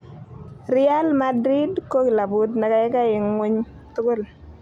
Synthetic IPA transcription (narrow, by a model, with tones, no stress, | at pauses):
ɾɪ˦a˦lma˦dɾi˦dko˦kla˨bʊ˨t̪na˨ka˨˦jɛ˦ka˦jɪ˨ŋŋwe˦ɲ˦ | t̪ʊ˦ɡʊ˦l